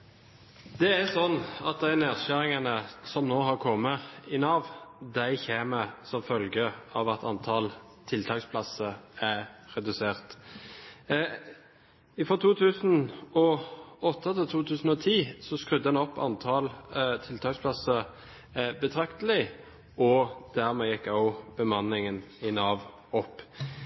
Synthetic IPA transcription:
d̪̥ɛæsɔnːɑt̪̚d̪æɪneːʁɕæɾɪŋɑnəsɔmnoːɦɑɾkʰɔmːəɪnɑʋd̪æɪçeːməsɔmfœlɡəʔɑ̰ʋɑt̪ʰɑ̰nt̪ʰɑːl | t̪ʰɪlt̪ʰɑːkspʰlɑsəæʁɛd̪ʉseːʁt̪ | ɪfʁɔt̪ʰuːt̪ʰʉːsnɔɔt̪ːət̪ʰɪlt̪ʰuːt̪ʰʉːsən̩ɔt̪ʰiːsɔskʁʉd̪ːədɛnɔpːɑ̰nt̪ʰɑːlt̪ʰɪlt̪ʰɑːkspʰlɑsə | bət̪ʰʁɑkt̪əlɪ | ɔd̪̥æʁmɛːjɛkːɑʊb̥əmɑnɪŋənɪnɑːʋ | ɔpː

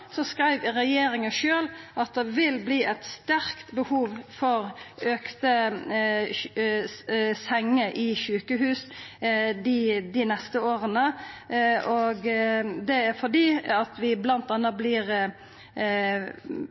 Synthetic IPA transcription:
sɔskɾæɪʋɾɛjeːɾɪŋəʃøːlʔɑt̪̚d̪ɛʋɪlbliːʔæt̪st̪æɾkt̪bəhuːʋfɔɾøːkt̪ə | sɛŋːəʔɪʃʉːkəɦʉːs | d̪ɪd̪ɪnɛst̪əoːɾənə | ɔɡd̪ɛæɾfɔd̪iːɑt̪ʋɪblɑnt̪d̪ɛnːəblɪːɾ

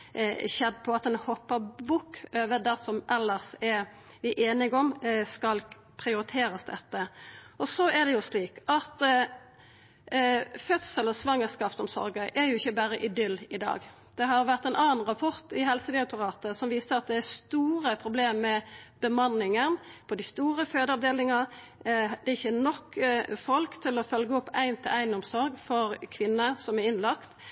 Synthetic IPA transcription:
çɛd̪ːpʰɔɑt̪ɛnhɔpːəbʊkʰːøːʋəd̪æsɔmʔɛlːəʁsɛɾ | ʋɪʔeːnɪɡɔmskɑl | pʰʁɪʊɾɪt̪ʰeːɾəsd̪ɛt̪ːəɔsɔæd̪ɛjʊsliːkɑt̪ | fœt̪sələsʋɑŋːəskɑːpsɔmsɔ̰ɾɡəʔæɾjʊɪçːəbæːɾəʔɪd̪ʏlːɪd̪ɑ̰ːɡ | d̪̥ɛɦɑɾʋæʁt̪æɪnɑːnn̩ɾɑpʰɔʁt̪ɪɦɛlsəd̪ɪɑk̚t̪ʊʁɑːt̪əsɔmʋiːsəɾɑt̪̚d̪ɛæst̪uːɾəpʰɾʊbleːmmːɛb̥əmɑnːɪŋənpʰɔd̪ɪst̪uːɾəføːd̪əɑʋd̪eːlɪŋɑ | d̪ɛɪçːənɔkːfɔlkt̪ʰɪlɔfœlɡəɔpːæɪnt̪ʰɪlʔæɪnɔmsɔɾɡfɔʁkʰʋɪnːəsɔmæɾɪnlɑkt̪

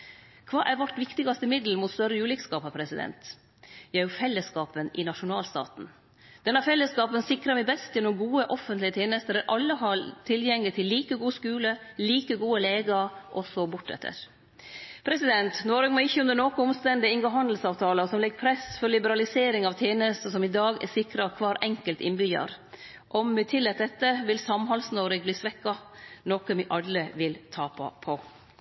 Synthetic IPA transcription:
kʰʋɑːʔæɾʋɑʈʋɪkt̪ɪɡɑst̪əɪmɪd̪l̩mʊt̪st̪œɾəʉːlɪkskɑːpɑpʰɾɛsɪd̪ɛ̰nt̪ | jææjʊfɛlːəskɑːpənɪnɑʂʊnɑːlst̪ɑ̰ːt̪n̩ | d̪̥ɛnːɑfɛlːəskɑːpənsɪkɾɑmɛbɛst̪jɛnʊɡuːəʔɔfənt̪lɪət̪ʰeːnəst̪əɾɛʔɑlːəɦɑɾt̪ʰɪljɛŋlɪt̪ʰɪlːiːkəɡuːskʉːləliːkəɡuːəleːɡɑɾʔɔsɔbʊʈːɛ̰t̪ʰːə̰ɾ | pʰɾɛsɪd̪ɛnt̪noːɾʉɡmɔɪçːəʉnd̪əɾnoːkəɔmst̪ɛnd̪ɪɪŋɡəɦɑnd̪l̩sɑːʋt̪ʰɑːləsɔmlɛɡːpʰɾɛsfɔɾlɪbəɾɑlɪseːɾɪŋɑʋt̪ʰeːnəst̪əsɔmɪd̪ɑːɡɛ̰sɪkɾɑkʰʋɑːɾʔɛŋkəlt̪ɪnbyɑ̰ɾ | ʔɔmɪt̪ʰɪlːɛt̪̚d̪ɛt̪ːəʋɪlsɑmhɑlsnoɾɪɡbliːsʋɛkːɑnɔkəmɪʔɑlːəʋɪlt̪ʰɑːpʰɑ̰pʰɔ

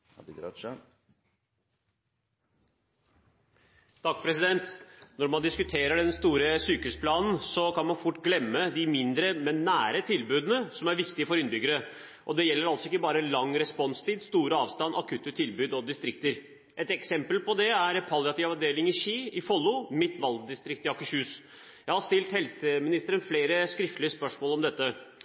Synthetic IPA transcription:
t̪ʰɑk̚ːpʰɾɛsɪd̪ɛnt̪nɔɾmɑnd̪ɪskʉt̪ʰeːɾəɖɛnst̪uːɾəsyːkəʉspʰlɑːnn̩sɔkʰɑnmɑnfʊʈːɡlɛmːəd̪ɪmɪnd̪ɾəmɛnːæːɾət̪ʰɪlbʉːd̪nəsɔmæɾʋɪkt̪ɪəfɔɾʏnbʏɡːəɾə | ʔɔd̪ɛjɛlːəɾɑlsɔɪkːəbɑːɾəlɑŋːɾɛspɔnst̪ʰiːd̪st̪uːɾəɑːʋst̪ɑnʔɑ̰kʰʉːt̪ːət̪ʰɪlbʉːd̪ɔd̪ɪst̪ɾɪkt̪əɾ | ʔɛt̪ɛksɛmpəlpɔd̪ɛæɾpʰɑlɪɑt̪ɪʋɑʋd̪eːlɪŋɪɕiːɪfɔlːʊmɪt̪ʋɑlɡd̪ɪst̪ɾɪkt̪ɪɑkʊɕʉːs | jæɪhɑʂst̪ɪlt̪hɛlsəmɪnɪst̪əɾənfleːɾəskɾɪft̪lɪəspœʂmoːlɔmd̪ɛt̪ːə

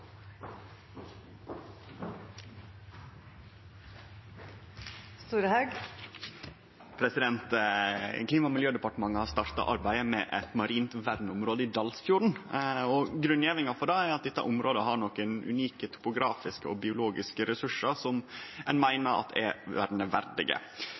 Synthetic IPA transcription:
st̪uːɾəhɑʉɡ | pʰɾɛsɪd̪ɛnt̪ | kliːmɑmɪljøːd̪ɛpɑʈəmɑŋːəhɑst̪ɑɾt̪ɑ̰ʔɑ̰ɾbæɪəmɛʔɛ̰t̪mɑɾiːnt̪ʋæɾnəʊmɾoːd̪əid̪ɑlsfjuːɾɳ̩ɔɡɾʉnjeːʋɪŋɑfɔɖææɾɑt̪̚d̪ɛt̪ːɑ̰ʔʊmɾoːd̪əɦɑɾɳɔkənʉ̰niːkət̪ʰʊ̥pʊɡɾɑːfɪskəɔbɪʊloːɡɪskəɾɛsʉʂəɾsɔmɛnmæɪnəɾɑ̰t̪ɛ̰ʋæɾnəʋæ̰ɾd̪ɪ̰ɡə̰

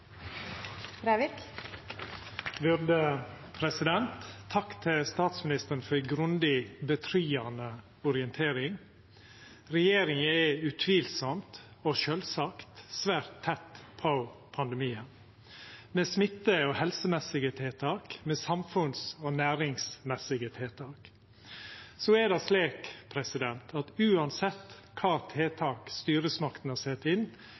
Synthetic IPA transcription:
bɾæɪʋɪk | ʋʉɾd̪ə | pʰɾɛsɪd̪ɛnt̪ʰːɑkt̪ʰɪlst̪ɑːt̪smɪnɪst̪əɾɳ̩fɔɾɡɾʉnd̪ɪbət̪ʰɾyːɑnə | ʊɾɪənt̪ʰeːɾɪŋ | ɾɛjeːɾɪŋəɛʉt̪ʰʋiːlsɔmt̪oːʃøːlsɑkt̪sʋæːɾt̪ʰːɛt̪ːpʰɔpʰɑnd̪ɛmiːən | mɛsmɪt̪ːəɔhɛlsəmɛsɪɡət̪ʰeːt̪ʰɑːkmɛːsɑmfʉnsɔnæːɾɪŋsmɛsɪɡət̪ʰeːt̪ʰɑːk | sɔɛd̪ɛsleːkpʰɾɛsɪd̪ɛnt̪ʰɑt̪ʉːɑnsɛt̪ː | kʰɑːt̪ʰeːt̪ʰɑːkst̪yːɾəsmɑkt̪n̩hɑːsɛt̪ːɪn

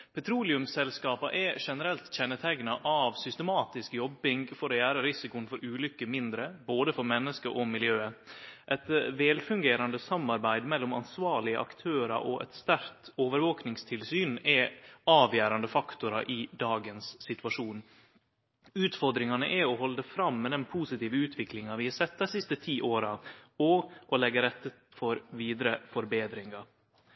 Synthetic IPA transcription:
pʰɛt̪ʰɾuːlɪʉmsɛlskɑːpɑʔɛʂɛnəɾɛlt̪ɕɛnːət̪ʰɛɡnɑʔɑʋsʏst̪əmɑːt̪ɪskjɔbɪŋfɔɾɔjæːɾəɾɪsɪkʊənfɔɾʔʉːlʏkːəmɪnd̪ɾəboːd̪əfɔɾmɛnːəskəʔɔmɪljøːəʔɛt̪ʋɛːlfʉŋɡeːɾɑnd̪əsɑmːɑɾbæɪd̪mɛlːʊmɑ̰nsʋɑːɭɪəʔɑ̰kt̪ʰøːɾɑ̰ʔɔ̰ʔɛ̰t̪st̪æɾt̪ʰoːʋəɾʋoːknɪŋst̪ʰɪlsyːnɛɑːʋjæːɾɑnd̪əfɑkt̪ʊɾɑʔɪd̪ɑːɡənsːɪt̪ʉɑʂuːn | ʉːt̪fɔɾd̪ɾɪŋɑnəʔɛɔɦɔld̪əfɾɑmːɛd̪ɛnpʰuːsɪt̪iːʋəʉːt̪ʰʋɪklɪŋɑʋɪhɑsɛt̪ːɑsɪst̪ət̪ʰiːʔoːɾɑɔʔɔlɛɡəɾɛt̪ːə | fɔɾʋiːd̪ɾəfɔɾbeːd̪ɾɪŋɑ

